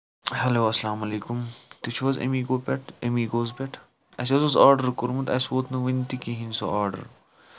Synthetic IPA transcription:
hɐloːɐsɐlaːmɐleːkʊmt̪it͡ʃʰʋɐzḛmiːɡoːpʲɛʈʰemiɡoːzpɛʈʰ | ɐsɐzɐzaːɾɖəɾkʊɾmɐt̪ɐsʋoːt̪nɐʋint̪ikiɦĩnso̰ʔaːɾɖɐ̰ɾ

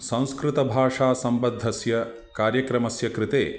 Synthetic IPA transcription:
sɐ̃w̃skɾɪt̪ɐbʱaːʂaːsɐmbɐd̪ʱːɐsjɐ | kaːɾjɐkɾɐmɐsjɐkɾɪt̪ḛː

